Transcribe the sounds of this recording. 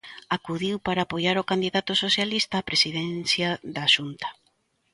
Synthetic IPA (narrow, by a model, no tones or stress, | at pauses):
akuðiwpaɾaːpojaɾokand̪iðat̪ʊsoθjalist̪aːpɾesiðɛnθjaðaʃunt̪ɐ̥